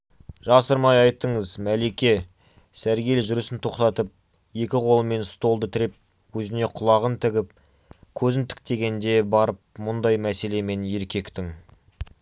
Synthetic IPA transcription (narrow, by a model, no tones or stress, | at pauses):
ʒɑsəɾmɑjɑjt̪əɴəzmæle̞kʲe̞ | sæɾɡʲe̞lʒʏɾɪsɪnt̪ʰo̞qt̪ɑt̪əp̚ | je̞kʲɪqʰo̞lˠme̞nst̪o̞lˠd̪ət̪ʰɪɾɪp̚ | wɵzɪne̞qʰʊlˠɑʁənt̪ʰɪɡʲɪp̚ | kʲʰɵzɪnt̪ʰɪ̥k̚t̪e̞ɡʲe̞nd̪e̞bɑɾəp̚mʊnd̪ɑjmæse̞le̞me̞nje̞ɾkʲe̞kt̪ɪŋ